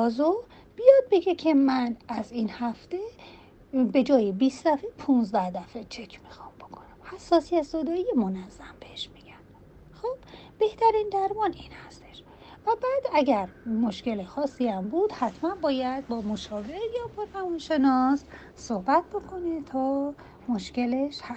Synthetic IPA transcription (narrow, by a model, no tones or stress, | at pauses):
ɒːzo | b̥ijɒd̪̚be̞ɡe̞cʰe̞mænæziːnhæft̪e̞ | be̞d͡ʒɒːjebiːsd̪æfepʰunzd̪æhd̪æfet͡ʃʰe̞cʰmixɒmb̥o̞kʰonæmhæsːɒːsijæt̪zod̪ɒːijemonæzːæmbe̞heʃmiɟ̥ænd̪ | xob̥ː | e̞ht̪ʰæɾind̪æɾmɒːniːnhæst̪eʃ | væbæːd̪æɟæɾmoʃce̞lexɒːsːiæmbuːd̪hæt̪ʰmænbɒːjæd̪̚bɒmoʃɒːvejɒːpʰoɾæmɔnʃe̞nɒs | sohbæt̪̚bo̞kʰo̞net̪ʰɒː | mo̞ʃce̞leʃhæ